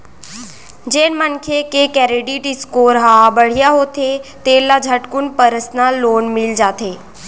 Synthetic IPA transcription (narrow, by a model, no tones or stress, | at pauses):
d͡ʒeːnmənkʰekekɛɾeɖiʈɪskoːɾɦabəɽ̤ijaɦoːt̪ʰet̪eːlːad͡ʒʱəʈkunpəɾəsnaloːnmild͡ʒaːt̪ʰeː